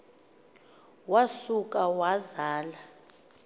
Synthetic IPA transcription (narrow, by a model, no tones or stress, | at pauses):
wasuk̬ʼawazaːla